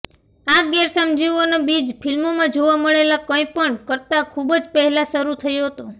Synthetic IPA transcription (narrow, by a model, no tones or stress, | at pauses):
aɡɛɾsəmd͡ʒiʋonobid͡ʒpʰilmomãd͡ʒoʋaməɭelakə̃ipəɳkəɾt̪akʰubd͡ʒpəɦɛlasəɾut̪ʰəjoɦət̪o